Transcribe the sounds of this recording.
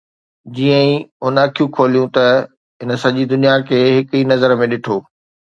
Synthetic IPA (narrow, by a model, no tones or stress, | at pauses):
d͡ʑiːə̃ĩʊnaːkʰijũkʰoːlijũt̪ɐ | ɦɪnə̆sɐʄid̪ʊnijakʰeːɦɪkinɐzəɾmẽɗɪʈʰoː